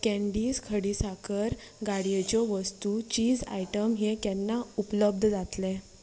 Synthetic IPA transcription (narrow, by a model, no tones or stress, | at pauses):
kɛ̃ɳɖiːskʰəɽiːsakʰəɾɡaɽijet͡ɕɔʋəst̪ut͡ɕiːd͡za̰jʈəmɦekɛnːaupləb̚d̪ʱd͡zat̪lɛ̃